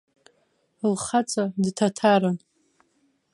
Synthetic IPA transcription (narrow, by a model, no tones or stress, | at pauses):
lχat͡sʼadtʰatʰaɾan